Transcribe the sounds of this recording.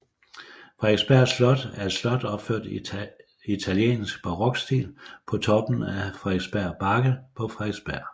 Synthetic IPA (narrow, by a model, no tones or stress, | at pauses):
fʁɛsb̥æɐ̰slɒ̽d̥æɐslɒ̽d̥ɒ̽b̥føɐ̰d̥ | it͡sʰæljḛːnsɡ̥b̥ɑ̈ʁɔ̽ɡ̥sd̥ḭːlpʰɒ̽t͡sʰɒ̽b̥n̩æfʁɛsb̥æɐ̰b̥ɑ̈ɡ̥əpʰɒ̽fʁɛsb̥æɐ̰